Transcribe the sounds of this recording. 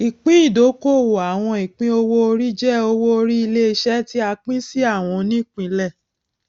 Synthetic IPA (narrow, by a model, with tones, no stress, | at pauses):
i˨k͡pĩ˦i˦˨do˨˦ko˦˨wo˨a˨w̃ɔ̃˧i˨k͡pĩ˦o˧wo˦o˧ɾi˦d͡ʒɛ˦˨o˧wo˦o˧ɾi˦i˧le˦e˧˦ʃɛ˦ti˦a˧k͡pĩ˦si˦a˦˨w̃ɔ̃˧nĩ˦˨k͡pĩ˧˦lɛ˦˨